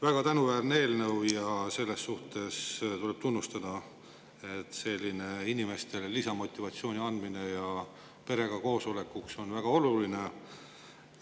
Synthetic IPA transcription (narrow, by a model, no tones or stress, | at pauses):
væɡ̥ɑt̪ænuvæːrnee̞ːlnɤwjɑse̞lːe̞sːuht̪e̞st̪ule̞b̥t̪unːust̪ɑd̪̥ɑ | e̞t̪ːse̞lʲːineinʲime̞st̪e̞llisɑmo̞t̪ʲːˑivɑt̪sio̞ːnʲiɑnd̪mine̞jɑ | pe̞ɾe̞ɡ̥ɑko̞ːso̞le̞kːukso̞nvæɡ̥ɑo̞luline̞